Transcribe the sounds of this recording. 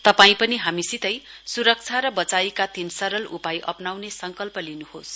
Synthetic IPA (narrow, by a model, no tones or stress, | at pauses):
t̪ʌpaĩpʌniɦamisit̪ʌjsuɾʌk̚t͡sʰaɾʌbʌt͡sajikat̪insʌɾʌlupajʔʌ̰pnawnesʌŋkʌlpʌlinuhos